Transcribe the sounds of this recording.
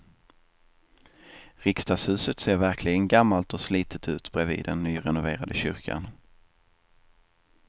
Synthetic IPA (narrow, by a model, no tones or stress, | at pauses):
ɾɪkst̪aːshʉ̟ːsət̪seːɾvæɾkʰlɪɡənɡamːalt̪ɔsliːt̪ʰət̪ʰʉ̟̰ːt̪b̥ɾɛvḭːd̪ɛnːyːɾɛnʊveːɾad̪əɕʏɾkʰa̰n